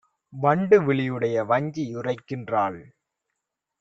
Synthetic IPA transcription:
ʋɐɳɖɯʋɪɭɪjɯɽɐjɐʋɐɲd͡ʒiɪrɐɪkːɪndraːɭ

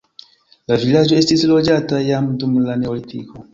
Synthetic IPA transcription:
lavilad͡ʒɔestisilɔd͡ʒatajamutumulanɛɔlitʰikɔ

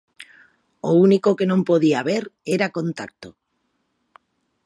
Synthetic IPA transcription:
ounikokenõmpoðiaβ̞eɾeɾakõnt̪ak̚t̪o

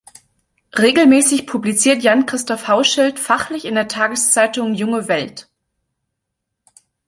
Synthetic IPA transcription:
ʁeːɡl̩mɛːsɪçpʰublit͡siːɐtjankʁ̥ɪstɔfhaʊʃɪltfaχlɪçɪndeːɐtʰaːɡəst͡saɪtʊŋjʊŋəvɛlt

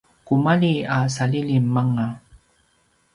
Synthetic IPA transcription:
kumalias̬alilimːaŋa

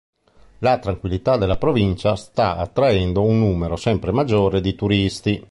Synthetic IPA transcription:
lat̪ɾaŋkwilːit̪ad̪elːapɾovint͡ʃast̪aat̪ːɾaend̪ounːuːmeɾosɛmpɾemad͡ʒːoːɾed̪it̪uɾist̪i

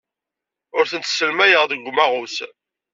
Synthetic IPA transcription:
ʊɾθənt̪sːəlmæjəʁðəɡʷːmæʁʊθ

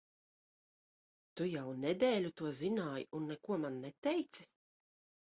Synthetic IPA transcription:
t̪ujawnɛd̪ɛːlʲut̪uɔzinaːjunːɛkuɔmanːɛt̪ɛjt̪si

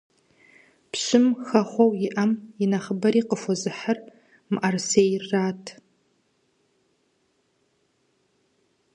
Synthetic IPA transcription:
pʰɕɨmxɐχʷɐwjiʔɐminɐχəbɐɾiqəfʷozɨħər | mʔarsejrːaːtʰ

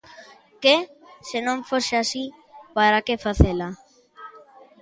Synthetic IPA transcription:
kesenõɱfoseasi | paɾakefaθela

